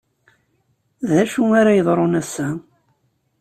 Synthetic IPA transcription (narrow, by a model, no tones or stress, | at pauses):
ðæʃuaɾajəðˤɾˤonæsːæ